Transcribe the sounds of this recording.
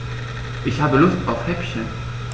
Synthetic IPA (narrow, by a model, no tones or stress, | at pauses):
ʔɪçhaːbəlʊstaʊfhɛpçə